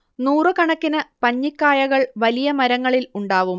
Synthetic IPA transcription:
nuːrɨkɐɳɐkːinɨpɐɲːikːaːjɐɣɐɭʋɐlijɐmɐɾɐŋːɐɭiluɳɖaːʋum

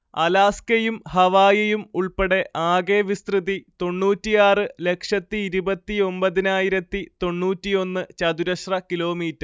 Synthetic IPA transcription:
ɐlaːskɐjumhɐʋaːjɐjumuɭpeɽe̞ʔaːɡeːʋist̪rɨðit̪o̞ɳːuːtːijaːrɨle̞kʂɐt̪ːiːɾubɐt̪ːio̞mbɐðinaːjiɾɐt̪ːit̪o̞ɳːuːtːijo̞nːɨt͡ɕɐd̪uɾɐʂrɐkilo̞ːmiːtːɐr

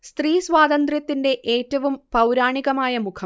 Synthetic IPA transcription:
st̪riːsʋaːd̪ɐnd̪rjɐt̪ːinde̞ʔeːtːɐʋumpɐwɾaːɳiɣɐmaːjɐmukʰɐ

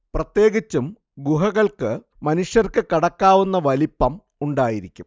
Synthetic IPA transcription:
prɐt̪jeːɣit͡ɕːum | ɡuɦɐɣɐɭkɨ | mɐnuʂjɐrkɨkɐɽɐkːaːʋunːɐʋɐlipːɐm | uɳɖaːjiɾikʲːum

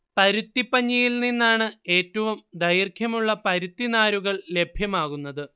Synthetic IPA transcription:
pɐɾut̪ːipːɐɲːijilninːaːɳɨe̞ːtːɐʋumd̪ɐjirkʰjɐmuɭːɐpɐɾut̪ːinaːɾuɣɐɭle̞bʱjɐmaːɣunːɐðɨ

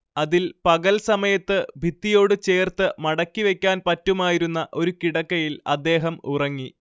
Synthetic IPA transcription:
ɐðilpɐɣɐlsɐmɐjɐt̪ːɨbʱit̪ːijo̞ːɽɨt͡ɕe̞ːrt̪ɨmɐɽɐkːiʋe̞kʲːaːnpɐtːumaːjiɾunːɐʔo̞ɾukiɽɐkːɐjilɐ̰d̪ːe̞ːɦɐmurɐŋːi

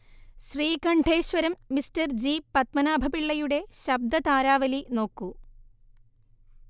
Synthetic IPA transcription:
ɕriːkɐɳɖʱe̞ːɕʋɐɾɐmːistɐrd͡ʑiːpɐt̪̚mɐnaːbʱɐpiɭːɐjuɽe̞ɕɐb̚d̪ɐt̪aːɾaːʋɐlino̞ːkːu

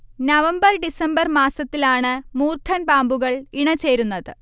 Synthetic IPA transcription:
nɐʋɐmbɐrɖisɐmbɐrmaːsɐt̪ːilaːɳɨmuːrkʰɐnpaːmbuɣɐɭiɳɐt͡ɕe̞ːɾunːɐðɨ

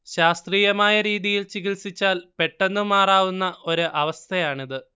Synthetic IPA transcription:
ɕaːst̪riːjɐmaːjɐɾiːðijilt͡ɕiɣilsit͡ɕːaːlpe̞ʈːe̞nːɨmaːraːʋunːɐʔo̞ɾuʔɐʋɐst̪ʰɐjaːɳiðɨ

